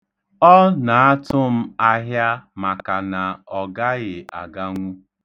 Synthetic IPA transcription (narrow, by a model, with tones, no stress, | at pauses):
ɔ˦na˨a˦tʊ˦m̩˦a˦ɦja˦ma˨ka˨na˨ɔ˨ɡa˦ɣɪ˨a̰˨ɡa˦ŋʷu˦